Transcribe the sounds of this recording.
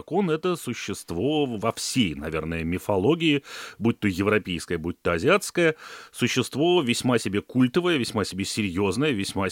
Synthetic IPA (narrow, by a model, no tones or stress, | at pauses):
ɐkonɛt̪əsʊɕːɪst̪vo̞vɐfsʲejnɐvʲe̞̰rnəjəmʲɪfɐlˠo̞ɡʲɪɪbut̚ʲt̪ːojɪvɾɐpʲejskəjəbut̚ʲt̪ːəɐzʲɪat̪skəjəsʊɕːɪst̪vo̞vʲɪsʲmasʲɪbʲe̞kulʲt̪əvəjəvʲɪsʲmasʲɪbʲesʲɪɾʲjoznəjəvʲɪsʲma